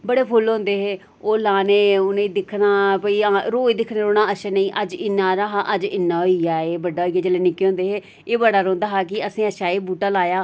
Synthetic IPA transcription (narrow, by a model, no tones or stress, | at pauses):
bəɽeːpʰʊlɦõːnd̪eːɦeː | oːlaːneːʊnẽd̪ɪkʰnaːpəiːaːɾoːiːd̪ɪkʰnẽːɾoːɽ̃aːəʃənəĩːʔəd͡ʒɪnːaːɾaːɦaʔəd͡ʒɪnːaːɦoijaːeːbəɖːaːɦoiːjaːd͡ʒəːleːnɪkːeːɦʊ̃nd̪eːɦeː | eːbəɽaːɾõːnd̪aːɦaːk̬ɪəsĩːəʃaːiːbuːʈaːlaːjaː